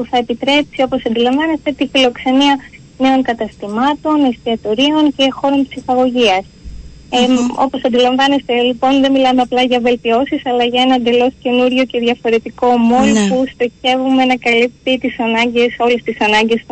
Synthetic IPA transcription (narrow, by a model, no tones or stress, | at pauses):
puθɐe̞pit̪ɾe̞psio̞po̞sɐnd̪ilɐɱvɐne̞st̪e̞t̪ifilo̞kse̞niɐ | ne̞o̞ŋkɐt̪ɐst̪imɐt̪o̞nest̪iɐt̪o̞ɾio̞ŋce̞xo̞ɾo̞mpsixɐɣo̞ʝiɐs | o̞̰po̞sɐnd̪ilɐɱvɐne̞st̪elipo̞nðe̞milɐmeɐplɐʝɐve̞lt̪io̞sisɐlɐʝɐe̞nɐnd̪e̞lo̞sce̞nuɾʝo̞ce̞ðʝɐfo̞ɾe̞t̪iko̞mo̞nopust̪ɾeçe̞vume̞nɐkɐlip̚t̪it̪isɐnɐɲɟe̞so̞le̞st̪isɐnɐɲɟe̞s